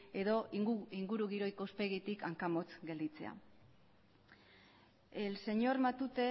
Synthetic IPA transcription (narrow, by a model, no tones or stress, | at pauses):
e̞ðo̞iŋɡuɾuɣiɾo̞jko̞uspe̞ɣit̪ikaŋkamo̞t͡sɡe̞ld̪it͡se̞̰a̰ | else̞ɲo̞ɾmat̪ut̪e̞